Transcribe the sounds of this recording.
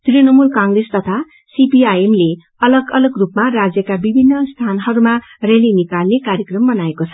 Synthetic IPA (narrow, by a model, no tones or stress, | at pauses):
t̪ɾenʌmulkaŋɡrest̪ʌt̪ʰa | sipiajemle | ʌlʌɡʌlʌɡrupmarad͡zjʌkabibʱinːʌst̪ʰanɦʌɾuma | relinikalnekaɾjʌkrʌmbʌnaekot͡sʰʌ̥